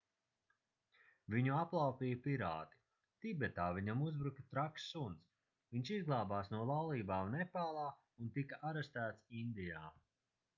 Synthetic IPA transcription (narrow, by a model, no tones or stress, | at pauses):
viɲuaplˠawpiːjɐpiɾaːt̪i̥ | t̪ibɛt̪aːviɲamuzbɾukɐt̪ɾaksːunt̪s | viɲʲʃizɡlˠaːbaːsnuɔlˠawlˠiːbaːnɛpaːlˠaː | unt̪ikaʔaɾɛst̪æːt̪sind̪ijaː